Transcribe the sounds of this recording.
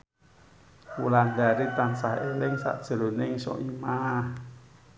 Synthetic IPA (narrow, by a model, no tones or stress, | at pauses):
ulandaɾit̪aŋsaɦelɪŋsa̰ʔd̥ʒ̥ə̤lonɪŋsɔ̰ʔimah